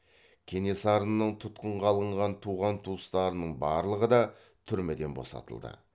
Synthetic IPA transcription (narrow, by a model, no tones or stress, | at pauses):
kʲʰe̞ne̞sɑɾənːəɴt̪ʰʊt̪qəɴʁɑlˠəɴʁɑnt̪ʰuʁɑnt̪ʰust̪ɑɾənəɴbɑɾlˠəʁəd̪ɑ | t̪ʰʏɾmed̪e̞nbo̞̰sɑ̰t̪ə̰lˠd̪ə̰